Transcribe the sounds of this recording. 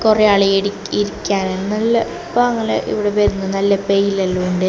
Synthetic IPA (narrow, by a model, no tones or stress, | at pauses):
korejaːɭieɽi | iɾikʲːaːnennɐlːɐ | paɐŋːɐlɐ̰ʔḭʋiɽepeɾinːɐnɐlːɐpejilɐlːɐuɳɖɨ